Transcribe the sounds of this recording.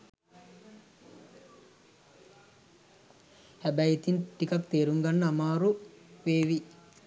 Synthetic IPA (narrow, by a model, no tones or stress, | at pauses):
hæbæjit̪inʈikɐkt̪eːɾuŋɡɐnːəamaːɾuʋeːʋi